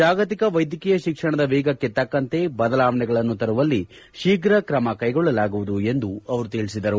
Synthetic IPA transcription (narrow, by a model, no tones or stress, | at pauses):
d͡ʒaːɡɐt̪ikɐʋɐjd̪ʱjɐkiːjɐʃikʂɐɳɐd̪ɐʋeːɡɐkːe̞t̪ɐkːɐnt̪e̞bɐd̪ɐlaːʋɐɳɛɡɐɭɐnːut̪ɐɾuʋɐlːi | ʃiːɡɾɐkɾɐmɐkɐjɡɔɭːɐlaːɡuʋud̪ue̞nd̪uɐʋɐɾut̪iɭisid̪ɐɾu